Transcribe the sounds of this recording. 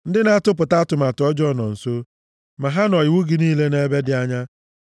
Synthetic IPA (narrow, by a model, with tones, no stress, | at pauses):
n̩˦dɪ˦na˦tʊ˦p̬ʊ˨ta˦a˦tʊ˨ma˨tʊ˨ɔ˦d͡ʒɔ˦nɔ˨n̩˨so˦ | ma˨ɦa˦nɔ˨jɪ˨wu˦ɡɪ˨niː˦le˦ne˨˦be˦dɪ˦a˦ɲa˦